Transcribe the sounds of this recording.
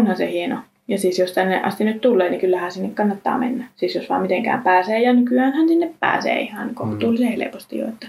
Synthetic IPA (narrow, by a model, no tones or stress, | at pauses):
onhɑnsehieno | jɑsiːsjost̪ænːḛʔɑ̰st̪inyt̪t̪ulːeːnikylːæhænsinːekkɑnːɑt̪ːɑ̰ːmḛnːæsiːsjosʋɑ̰ːmit̪eŋkæ̰ːmpæːseːjɑnykyæːnhænsinːeppæ̰ːsḛːihɑnkoht̪uːlsehelḛpost̪ḭjo̰et̪ːæ̥